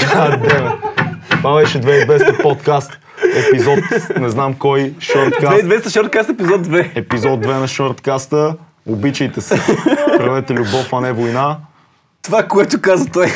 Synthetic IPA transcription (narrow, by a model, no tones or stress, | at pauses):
ad̪at̪ovabɛʃɛd̪vɛid̪vɛst̪əpɔt̪kast̪ | ɛpizɔt̪nɛznamkɔjʃəɾt̪kavɛd̪vɛst̪ɐʃəɾt̪̚kast̪ɛpizɔd̪d̪vɛɛpizɔt̪̚ːvɛnɐʃəɾt̪kast̪ə | obit͡ʃɛjt̪ɛsɛpɾɐvɛt̪ɛlʲubɔfɐnɛvojna | t̪ovakoɛt̪ʊkazɐt̪ɔj